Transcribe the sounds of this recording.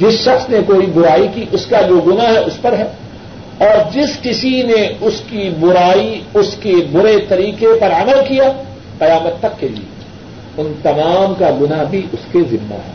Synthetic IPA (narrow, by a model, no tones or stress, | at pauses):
d͡ʒɪsʃɐxsnekoːibʊɾaːikiʔʊskad͡ʒoːɡʊnaɦɛʔʊspɐɾɦɛː | ɔːɾd͡ʒɪskɪsineʊskibʊɾaːiʊskebʊɾet̪ɐɾiːqepɐɾɐməlkija | qɐjaːmət̪ːɐkːelḭḛ | ʊnt̪ɐmaːmkaɡʊnabʱiʔʊskezɪnːa̰ɦɛ̰ː